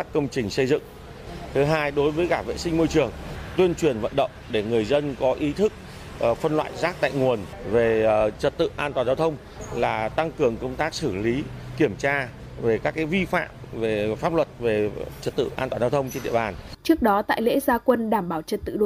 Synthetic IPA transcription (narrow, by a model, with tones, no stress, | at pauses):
aː˦˥kkːə˧wŋ͡mt͡ɕï˨˩ŋ̟sə˧jzɨ̰˧˨ŋ | t̪ʰɨ˨˦ɦaː˧jɗo˨˦jvəː˨˦jɣaː˧˩vḛ˧˨sï˧ŋ̟mo˧jt͡ɕɨ˨˩əŋt̪wi˧ənt͡ɕwi˨˩ənvə̰˧˨nɗə̰˧˨wŋ͡mɗe˧˩ŋɨ˨˩əjzə˧nkɔ˨˦ʔi˨˦t̪ʰɨ˦˥k̚ː | fə˧nlwa̰ː˧˨jzaː˦˥k̚t̪a̰ː˧˨jŋu˨˩ən | ve˨˩t͡ɕə˨˩t̚t̪ɨ̰˧˨ʔaː˧nt̪waː˨˩nzaː˧wt̪ʰə˧wŋ͡m | laː˨˩t̪a˧ŋkɨ˨˩əŋkə˧wŋ͡mt̪aː˦˥k̚sɨ˧˩li˨˦ki˧˩əmt͡ɕaː˧ | ve˨˩kaː˦˥kːaː˨˦jvi˧fa̰ː˧˨mve˨˩faː˦˥p̚lwə˨˩t̚ve˨˩t͡ɕə˨˩t̚t̪ɨ̰˧˨ʔaː˧nt̪waː˨˩zaː˧wt̪ʰə˧wŋ͡mt͡ɕe˧nɗḭ˧əɓaː˨˩nt͡ɕɨ˦˥ək̚ɗɔ˨˦t̪a̰ː˧˨jlḛ˧˥zaː˧kwə˧nɗaː˧˩mɓaː˧˩wt͡ɕə˨˩t̚t̪ɨ̰˧˨ɗo˨˧˨